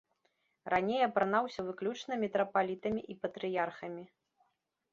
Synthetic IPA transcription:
rʔanʲejɐpɾɐnawsʲɐvɨklʲut͡ʂnɐmʲɛt̪ɾɐpalʲit̪ɐmʲiʔipɐt̪ɾɨjarxɐmʲi

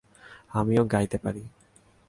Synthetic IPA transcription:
amijoɡajt̪epaɾi

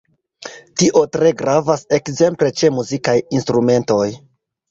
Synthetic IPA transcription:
tiʔo̞tɾe̞ɡɾavase̞kze̞mple̞t͡ʃe̞muzikajinstɾume̞nto̞j

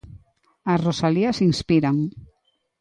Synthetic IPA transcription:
asrosaliasinspiɾaŋ

